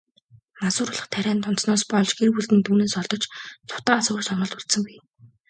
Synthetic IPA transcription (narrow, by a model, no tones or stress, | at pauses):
masʊːɾʊɮə̆χt̪ʰæɾʲæːnt̪ʰʊn̥t̪snɔːspɔɮt͡ɕɡerpuɮt̪ɘ̆nt̪ʰuːneːsɔɮt̪ɞ̆t͡ɕt͡sʰʊ̥t̪aːsʊːsɔɴɢɞ̆ɮt̪ʊɮt̪sə̆ŋpiː